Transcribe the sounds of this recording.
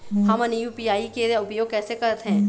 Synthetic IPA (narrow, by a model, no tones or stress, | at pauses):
ɦɐmɐnijuːpijaːikeʊpjoːɡ̚kɛːsekɐɾət̪ɦɛ̃ː